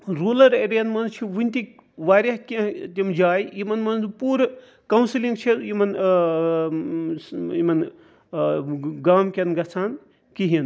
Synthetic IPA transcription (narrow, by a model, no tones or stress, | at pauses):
ɾuːlɐɾeɾijɐnmɐnt͡ʃʰiʋunʲt̪ʲik | ʋaːɾʲɐɦkʲɐ̃t̪ʲimd͡ʒaːjimɐnmɐnpuːɾ | kɐwnsiliŋɡt͡ʃʰiimɐn | imɐn | ɡaːmkʲɐnɡɐt͡sʰaːn | kiɦin